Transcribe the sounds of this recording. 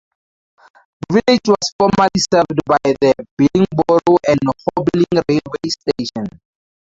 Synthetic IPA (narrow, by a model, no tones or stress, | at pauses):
viled͡ʒwɔsfɔmalisɛvdbajðəbilĩŋbɔɹoʔɛ̃ndhɔblĩŋɹelwesteʃɔ̃n